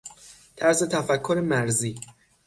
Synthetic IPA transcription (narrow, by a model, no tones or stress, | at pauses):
t̪ʰæɾse̞t̪ʰæfækʰːoɾemæɾziː